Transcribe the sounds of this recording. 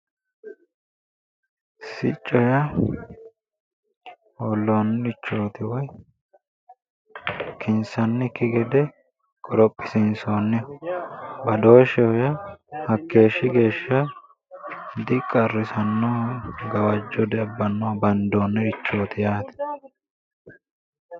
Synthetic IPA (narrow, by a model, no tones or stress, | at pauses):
sɪt͡ʃʼːɔjɐ | olːo̞ːnːɛɾɪt͡ʃːo̞ːt̪ɪwɔj | kɪnsɐnːɛkːɪɡɛd̪ɛ | kʼɔɾɔpʼːɪsɪnsoːnːɪ | bɐd̪o̞ːʃɛɔjɐhɐkːe̞ːʃːɪɡe̞ːʃːɐ | d̪ɪkʼːɐrːɪsɐnːoːɡɐwɐd͡ʒːɔd̪ɛɐbːɐnːobɐnd̪oːnːɛɾɪt͡ʃːo̞ːt̪ɪjaːt̪ɛ̥